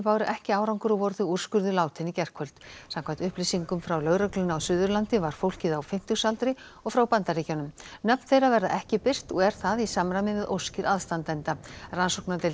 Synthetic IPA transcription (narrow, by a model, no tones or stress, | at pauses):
paːwɾʏʔɛhcɪaːwɾawŋkʏɾɔɣvɔɾðʏur̥skʏɾðʏlaːwt̪ʰɪnicɛr̥kʰvœlt̪samkʰvajnt̪ʏhplijsiŋkʏmfɾawlœɣɾœklʏnːawsʏðʏɾlant̪ɪvaɾ̥fowl̥cɪðawfɪm̥t̪ʏsalt̪ɾɪɔɣfɾawpant̪aɾricanʏmnœpnθejɾavɛɾðaʔɛhcɪpɪr̥t̪ɔɣɛɾ̥θaðisaːmɾamɪvɪðʔo̰wscɪɾaðst̪ant̪ɛnt̪aransowknat̪ɪl